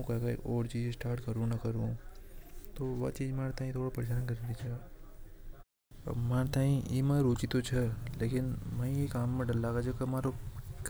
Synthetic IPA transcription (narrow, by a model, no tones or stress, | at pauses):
ũkɐka̰ʔoːɾt͡ʃiːd͡ʒesʈaːɾʈkɐɾũnɐkɐɾũ | t̪oʋɐ̰t͡ʃiːd͡ʒmeːɾt̪ãːĩt̪ʰoːɽapɐɾɪʃaːnkɐɾd̪it͡ʃʰɐ | maːɾt̪aːĩjimɛ̃ɾuːt͡ʃit̪ot͡ʃʰɐleːkɪnmɐ̃jekaːmːẽɖɐlːaːɡad͡ʒoːkemaːɾok